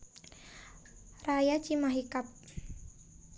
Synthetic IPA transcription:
rajat͡ʃimaɦikap̚

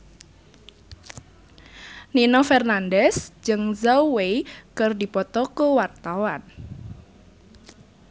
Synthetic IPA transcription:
ninɔfɛrnandɛsd͡ʒɨŋzawekɨrdipɔt̪ɔkuwart̪awan

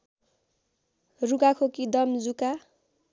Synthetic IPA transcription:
ruɡakʰokid̪ʌmd͡zuka

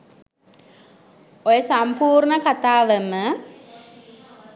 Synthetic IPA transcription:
ojəsampuːrɳəkat̪aːʋəmə

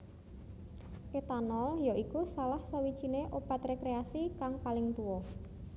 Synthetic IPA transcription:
ʔet̪anɔljoʔikusalahsawid̥ʒ̥ineʔob̥a̤t̪rekɾeasikaŋpalɪŋt̪uwɔ

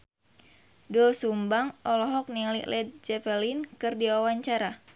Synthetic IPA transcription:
dulsumbaŋɔlɔɦɔk̚niliʔlɛd̪̚d͡ʒɛpɛlinkɨrdiawaɲt͡ʃaɾa

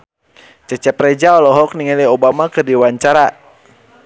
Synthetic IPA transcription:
t͡ʃɛt͡ʃɛpɾɛd͡ʒaɔlɔɦɔk̚niŋaliobamakɨrdiwaɲt͡ʃaɾa

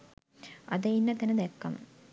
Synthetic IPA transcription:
ɐ̰d̪ɐinːɐt̪ænəd̪ɛkːɐm̰

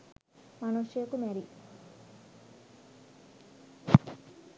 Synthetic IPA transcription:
mɐnuʃjjɐkumɛɾi

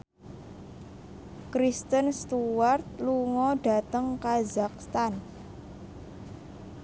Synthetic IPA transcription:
kɾist̪ənst̪uwart̪̚luŋɔɖ̥a̤t̪əŋkazakst̪an

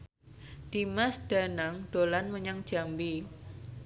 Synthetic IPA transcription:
d̪̥imasd̥a̤naŋɖ̥olanməɲaŋd̥ʒ̥a̤mbi

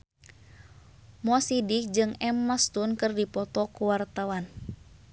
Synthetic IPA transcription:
mɔsidik̚d͡ʒɨŋɛmːast̪unkɨrdipɔt̪ɔkuwart̪awan

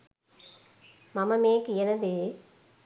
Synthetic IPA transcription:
mɐmɐmeːkɯɛnɐðɯ

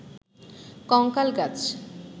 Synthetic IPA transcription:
kɔŋkalɡat͡ɕ

